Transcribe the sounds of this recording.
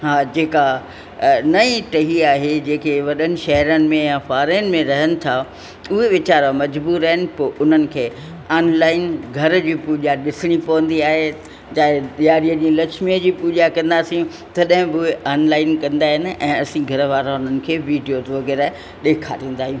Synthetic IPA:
ɦaːd͡ʑeːka | nɐĩʈɐɦiaːɦed͡ʑẽːkʰeʋɐɗənɪ̆ʃɐɦəɾənɪ̆mẽjãfaːɾəənɪ̆mẽɾɐɦənɪ̆t̪ʰa | ʊɦeʋɪt͡ɕaːɾamɐd͡ʑbuːɾaɦɪnɪ̆poʔʊn̤ənɪ̆kʰeː | aːnlaːɪnɡʱɐɾ̆d͡ʑiːpuːʄaɗɪsɪɽ̃ipɐʋə̃nd̪iaːɦe | d͡ʑaːɦeɗijaːɾijəd͡ʑĩːlɐkʃmiəd͡ʑiːpuːʄakɐ̃nd̪aːsĩũ | t̪ɐɗɦɪ̃bɪʊeʔaːnlaːɪnkɐ̃nd̪aːɦɪnɪ̆ʔɛ̃ːɐsĩɡʱɐɾəʋaːɾaʊn̤ənɪ̆kʰeːʋiːɖijot̪ʋɐɣɛːɾa | ɗeːkʰaɾĩːn̆d̪aːɦijũː

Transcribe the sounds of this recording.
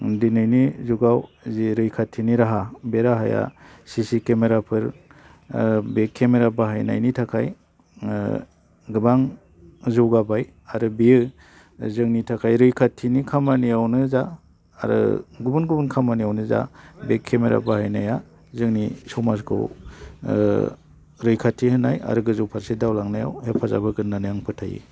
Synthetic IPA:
dinɯjnizuɡaw | ziɾɯjkʰatʰːiniɾaɦabeɾaɦa̰ja̰sisikemeɾapʰɯɾ | bekʰːemeɾabaɦajna̰jnitʰakʰaj | ɡɯbaŋ | zuwɡabaj | aɾɯbiɯ | zɯŋnitʰakʰajɾɯjkʰatʰinikʰamanijawnɯza̰ː | ɾɯ̰ɡubunɡubunkʰamanijawnɯza̰bekʰːemeɾa̰bahajnaja | zɯŋnisɔwmazkʰɯ̰w | ɾɯjkʰatʰːihɯnaja̰ɾɯɡɯzɯwpʰaɾsedawlaŋnaja̰whepʰaza̰bɯɡɯnːanajaŋpʰɯtʰa̰jḭ

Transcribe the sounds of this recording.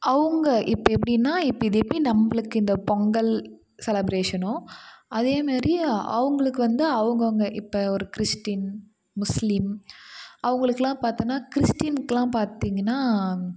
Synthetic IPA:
ɐʋɐŋɡɐʔɪpːɐɛp̬ːɐɽinːaːɪpːɐɪðɐɛpːɐɽinɐmːɐɭɯkːɯɪnd̪ɐpɔŋɡɐl | sɛlɐbɾeːʂɐnʊ̃ɐðeːmaːɾiʔɐ̰ʋɐŋɡɐɭɯkːɯʋɐnd̪ɯɐʋɐŋɡɐŋɡɐʔɪpːɐɔɾɯkɪɾɪsʈin | mʊslɪm | ɐʋɐŋɡɐɭɯkːɐlãːpaːɾt̪ɯnːaːkɪɾɪsʈinkːɐlãːpaːɾt̪iːŋɡɐnːaː

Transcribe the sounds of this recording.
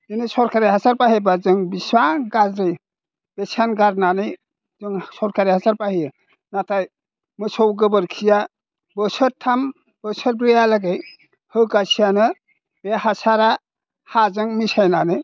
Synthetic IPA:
inisɔɾkaɾiɦasaɾpaɦebazɯŋbiswaɡazɾɯj | b̥esanɡaɾnanɯj | zɯŋsɔɾkaɾihasaɾpahijɯ | nataj | mɯsʰɔwɡɯbɯɾkʰija | bɯsɯɾtʰam | b̥əsɔɾbɾijalaɡej | hɯɡasijanɯ | behasaɾa | hazɯŋmisajnanɯj

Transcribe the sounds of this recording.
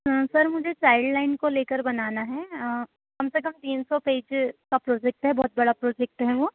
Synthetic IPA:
sɐɾmʊd͡ʒʱet͡ʃaːɪɖlaːɪnkoleːkəɾbɐnaːnaɦɛ | kɐmsekɐmt̪iːnsɔpeːd͡ʒkapɾɔːd͡ʒɛk̚ʈɦɛbɔːt̪̚bɐɽapɾɔːd͡ʒɛk̚ʈɦɛʋoː

